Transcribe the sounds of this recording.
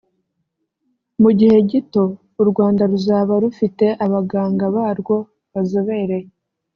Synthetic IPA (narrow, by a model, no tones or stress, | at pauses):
muɟihe̞ɟito̞ | uɾɡwaːndaɾuzaβaɾufite̞ʔaβaɡaːŋɡaβaːɾɡwo̞ | βazo̞βeɾe̞j